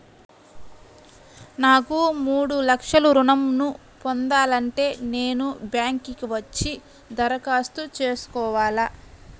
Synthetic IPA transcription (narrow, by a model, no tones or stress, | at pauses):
naːkumuːɽulɐkʂɐluɾunɐmnu | pond̪aːlɐɳʈe̞ːne̞ːnubjaːŋkikiʋɐt͡ʃːi | d̪ɐɾɐkaːst̪ut͡ʃe̞ːsu̥kɔːʋaːlɐ